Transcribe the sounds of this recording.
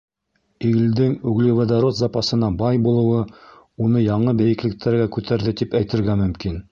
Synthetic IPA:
iɡɘ̆ld̪ɘŋʉɡlɘ̆wɘd̪aɾot̪zɑpɑsɤ̆nɑbɑjbulˠɤ̆wɤ | unɤjɑɴɤbæjɘ̆klɘ̆k̚t̪ʰæɾɡækʉt̪ʰæɾðɘt̪ipæjt̪ɘ̆ɾɡæmɵ̆mkin

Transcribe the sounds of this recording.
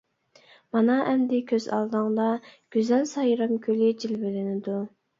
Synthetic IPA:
mɑnɑʔɛmd̪ɪkʲʰøzɑ̰lˠd̪ɨŋd̪ˠɑɡ̥ʲyzælsɑjɾɑmkʲʰylɪd͡ʒilbɪlɪnɪd̪u

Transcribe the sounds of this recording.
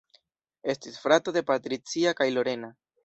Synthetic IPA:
e̞stisfɾatode̞patɾit͡siakajlo̞ɾe̞na

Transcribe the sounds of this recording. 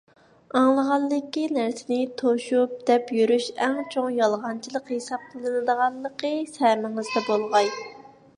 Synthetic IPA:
ɑŋlˠəʁɑlːɨkʲːinæɾsɪnɪt̪ʰoʃup̚d̪̥ɛpjyɾyʃɛŋt͡ʃʰoŋjɑlˠʁɑnt͡ʃʰilˠəqhesɑp̚qʰəlˠɨnɨd̪əʁɑlˠːəqʰəsæɾmɪŋɨzd̪ɛbolˠʁɑj

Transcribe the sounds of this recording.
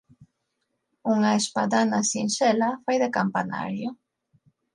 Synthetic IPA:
uŋaespa̰ðanasinʃɛlafojðekampana̰ɾjo

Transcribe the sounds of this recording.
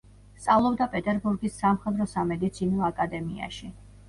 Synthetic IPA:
st̪sʼavlˠɔbd̪apʼɛt̪ʼɛɾbuɾɡisːamχɛd̪ɾɔsamɛd̪it̪sʰinɔakʼad̪ɛmia̰ʃi

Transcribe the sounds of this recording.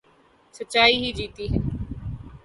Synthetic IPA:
sətːʃaːiɦid͡ʒiːt̪iɦɛː

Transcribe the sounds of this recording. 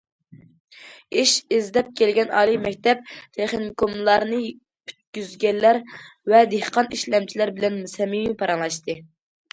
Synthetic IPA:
iʃezd̪ɛp̚kʲʰelɡʲɛnɑ̰ːlˠimɛkʲt̪ɛp̚t̪ʰeχnkʰomlˠɑɾnɨ | pʰy̥t̪̚ɡʲyzɡʲɛlːæɾvɛd̪ehqʰɑniʃlɛmt͡ʃʰilæɾbɪlɛnmusɛmimipʰɑɾɑŋlˠɑʃt̪ɨ

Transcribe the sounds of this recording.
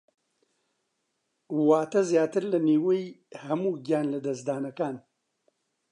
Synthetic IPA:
waːt̪ɐzjaːt̪ɨɾlɐniːwejhɐmuːɡjaːnlɐd̪ɐsd̪aːnɐkaːn

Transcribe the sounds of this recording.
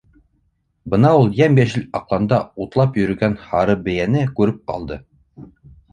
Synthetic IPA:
bɤ̆nɑulˠjæmbæʃɘlɑqlˠɑnd̪ɑut̪lˠɑpjɵ̆ɾɵ̆ɡænhɑɾɤbɘ̆jænɘkʉɾɘp̚qɑ̰lˠd̪ɤ

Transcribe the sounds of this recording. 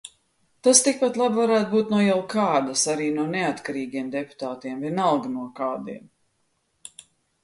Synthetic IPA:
t̪ast̪ik̚pat̪lˠabvaɾæːt̪̚buːt̪nuɔjɛwkaːd̪asaɾiːnuɔneat̪kaɾiːɡiɛmd̪ɛpu̥t̪aːt̪iɛmvɛnalˠɡnuɔkaːd̪iɛm

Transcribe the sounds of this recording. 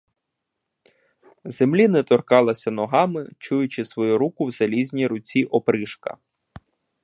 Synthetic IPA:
zemlʲinɛt̪ɔrkɑlˠɐsʲɐnɔɦɑmɪt͡ʃujʊt͡ʃɪsʋɔjuɾukʊwz̥ɐlʲizʲnʲiɾʊt͡sʲiʔɔpɾɪʃkɐ̰

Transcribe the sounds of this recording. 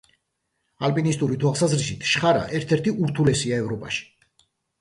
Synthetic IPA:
alpʼinist̪ʼuɾit̪ʰwalˠsazɾisit̪ʰʃχaɾa̰ʔɛɾt̪ʰɛɾt̪ʰiuɾt̪ʰulɛsiaɛvɾɔpʼaʃi̥

